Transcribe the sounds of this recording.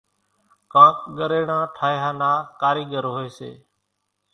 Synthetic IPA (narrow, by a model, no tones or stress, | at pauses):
kãːkɠəɾeːɳãːʈʰaːjɦãːnaːkaːɾiːɠəɾɦoeːsḛː